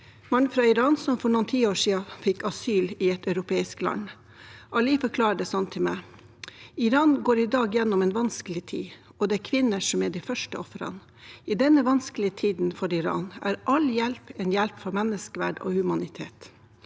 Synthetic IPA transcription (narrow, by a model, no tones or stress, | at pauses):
mɑnfɾɑːɪɾɑːnsɔmfɔɳuːənt̪ʰiːoːʂiːɑfɪkɑsyːlɪɛt̪ɑʉɾʊpʰeːɪsklɑ̰n | ʔɑliːfɔɾkʰlɑːɾəɖɛsɑmt̪ʰːɪlmæɪ | ɪɾɑːnɡoːɾɪd̪ɑːɡjɛnːɔmeːnʋɑnskəlɪt̪ʰḭː | ɔd̪ɛæɾkʰʋɪnːəʂɔmɛɖ̪ifœʂʈəɔfɾɑ̰n | id̪ɛnːəʋɑnskəlɪət̪ʰiːd̪n̩fɔɾɪɾɑ̰ːnæ̰ːɾʔɑljɛlpɛːnjɛlpfɔɾmɛnːəskəʋæ̰ːɖo̰ːhʉmɑnɪt̪ʰeːt̪